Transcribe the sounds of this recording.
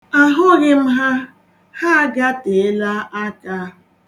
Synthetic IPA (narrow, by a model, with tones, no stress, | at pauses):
a˦ɦʊ˦ɣɪ˦m̩˦ɦa˦ | ha˦ɡa˦te˨ɪ˦la˦a˦ka˦